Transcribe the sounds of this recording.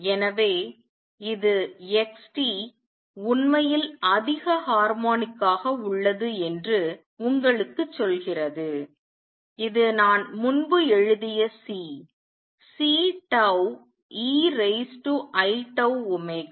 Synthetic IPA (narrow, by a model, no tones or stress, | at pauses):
ɛnɐʋeː | ɪðɯɛksʈi | ʊnmɐjɪlɐðɪɣɐhaːɾmoːnɪkːaːɣɐʊɭːɐðɯɛndrɯ | ʊŋɡɐɭɯkːɯt͡ʃːɔlɣɪrɐðɯ | ɪðɯnaːnmʊnbɯɛɻɯðɪjɐsiː | siːʈɐʊ | iːɾeɪsʈuʔɐɪʈɐʊʊmɐɪk